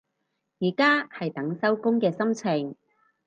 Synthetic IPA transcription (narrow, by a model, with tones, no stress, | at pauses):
jiː˨˩kaː˥hɐ˨jt̪ɐ˨˥ŋsɐ˥wkʊ˥ŋkɛː˧sɐ˥mt͡sʰɪ˨˩ŋ